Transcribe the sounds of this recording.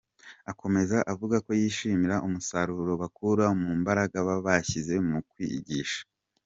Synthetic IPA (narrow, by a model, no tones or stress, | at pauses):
ako̞me̞zaʔavuɡako̞jiːʃiːmiɾaʔumusaɾuɾo̞βakuɾamumbaɾaɡaβaβaçize̞mukwiɟiːʃḁ